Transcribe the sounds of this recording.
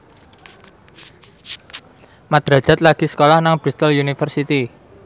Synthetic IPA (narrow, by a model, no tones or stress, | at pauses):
mad̪̥ɾḁd͡ʒ̥a̤t̪̚laɡ̥isə̥kolahnaŋb̥ɾist̪əlunifərsit̪i